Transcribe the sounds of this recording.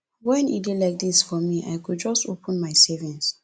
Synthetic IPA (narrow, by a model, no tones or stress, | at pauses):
wɛ̃nḭdilaɪk̚d̪isfɔmiʔa̰jkud̚d͡ʒɔstopʰə̃nmaɪsɛvĩŋs